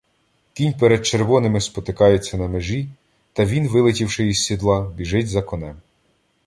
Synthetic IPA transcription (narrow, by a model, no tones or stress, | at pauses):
k̪ʲinʲpeɾed̪̚t͡ʃeɾʋɔnɪmɪspɔt̪ɪkɑjet͡sʲːɐnɐmeʒi | t̪ɐʋʲinʋɪlˠɪtʲiwʃɪiz̥ʲsːʲid̪lˠɑbʲiʒɪtʲzɐkɔnɛm